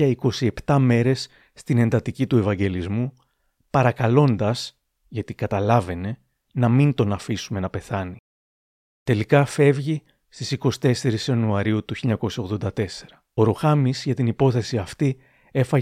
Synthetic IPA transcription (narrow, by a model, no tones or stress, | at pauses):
ɐiko̞sie̞pt̪ɐme̞ɾe̞sː | t̪ine̞nd̪ɐt̪icit̪ue̞vɐɲɟe̞lizmu | pɐɾɐkɐlo̞nd̪ɐs | ʝɐt̪ikɐt̪ɐlɐve̞ne̞ | nɐmint̪o̞nɐfisume̞nɐpe̞θɐni | t̪e̞likɐfe̞vʝi | st̪isiko̞si̥t̪e̞se̞ɾisɐnuɐɾiut̪uçilʎɐko̞sjɐo̞ɣðo̞nd̪ɐt̪e̞se̞̥ɾɐ | oɾoxɐmizʝɐt̪inipo̞θe̞siɐft̪i | e̞fɐ